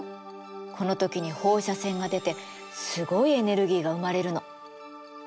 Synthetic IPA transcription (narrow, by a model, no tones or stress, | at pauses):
kʰo̞no̞t̪o̞kʲiɲ̟iho̞ːɕasẽ̞ŋɡad̪e̞t̪e̞ | sɨɡo̞ie̞ne̞ɾɯ̟ɡʲiːɡaɯ̟maɾe̞ɾɯ̟no̞